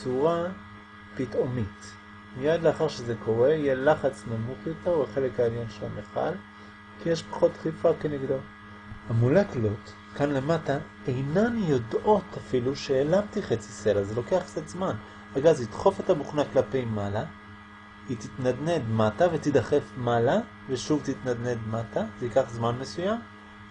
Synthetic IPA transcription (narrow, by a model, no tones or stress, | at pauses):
t͡suʁa | pitomit | mijad̪leaχaʁʃezekʰo̞ʁe̞jelaχat͡snamuχjo̞t̪eʁvaχe̞lekaeljonʃela̰meχa̰l | kijeʃpḁχo̞t̪χifakeniɡd̪o | hamuleklo̞t | kanle̞mata | ejnanjo̞do̞tafiluʃeːlamt̪iχet͡si̥selazelo̞ke̞aχsetzman | aɡazid̪χo̞fetabuχnaklape̞jmala | kit̪it̪nad̪ned̪matavet̪id̪aχe̞fmala | veʃuvt̪it̪nad̪ned̪matazeikaχzmanmesujam